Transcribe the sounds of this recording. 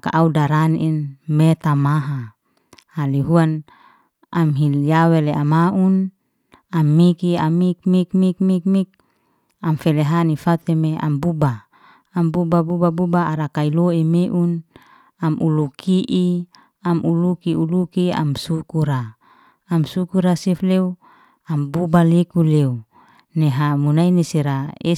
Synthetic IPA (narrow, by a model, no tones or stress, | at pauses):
ka̰ʔaudaɾanʔinmɛt̪amaɦa | haliɦuan | amɦiljawɛlɛʔamaʔun | amːikiamik̚mik̚mik̚mik̚mik̚ | amfɛlɛɦanifat̪ɛmea̰mbubaː | mbubabubabubaːɾakailoemeʔun | amulukʰiʔi | amulukiulukia̰msukuɾaː | msukuɾasɛfleu | ambubalekuleu | neɦamunainisiɾae